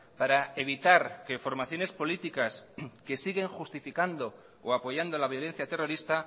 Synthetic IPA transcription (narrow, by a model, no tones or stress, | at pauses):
paɾae̞βit̪aɾke̞fo̞ɾmaθjo̞ne̞spo̞lit̪ikaske̞siɣe̞ŋxust̪ifikand̪o̞ | oapo̞ʝand̪o̞laβ̞jo̞le̞n̟θjat̪e̞ro̞ɾist̪a